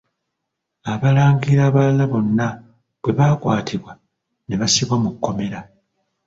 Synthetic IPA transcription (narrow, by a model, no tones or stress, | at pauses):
aβalaːŋɡiɾaβalaβo̞nːa | βwe̞βaːkwa̰ːtʰiβwa | neβasiβwamukːo̞me̞ɾa